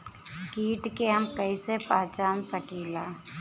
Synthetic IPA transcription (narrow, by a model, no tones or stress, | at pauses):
kiːʈkeɦəmkəisepaːt͡ʃaːnsəkiːlaː